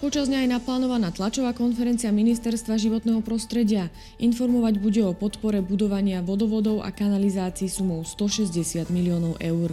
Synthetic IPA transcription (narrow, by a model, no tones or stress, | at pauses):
pɔt͡ʃazɲajɛnaplaːnɔʋanaːt̪lat͡ʃɔʋaːkɔnfɛɾɛnt͡siɪaminist̪ɛɾst̪ʋaʒiʋɔt̪nɛːɦɔpɾɔst̪ɾɛɟɪa | ʔinfɔɾmɔʋaɟbuɟɛɔpɔt̪pɔɾɛbud̪ɔʋaɲɪaʋɔd̪ɔʋɔd̪ɔʊa̰kanalizaːt͡siːsumɔʊst̪ɔʃɛzɟɛsɪad̪miliɔːnɔʊʔɛʊɾ